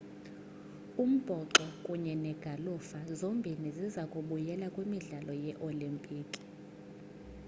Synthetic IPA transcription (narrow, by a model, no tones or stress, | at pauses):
um̩b̥ʱɔǁɔkʼuɲɛnɛɡ̥ʱalufazombʱinezizakʼuɓujɛlakʼwimiɮalɔjɛʔolimpʼiːkʼi̥